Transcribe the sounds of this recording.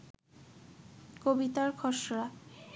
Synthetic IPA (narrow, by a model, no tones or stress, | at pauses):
kobit̪aɾkʰɔʃɾa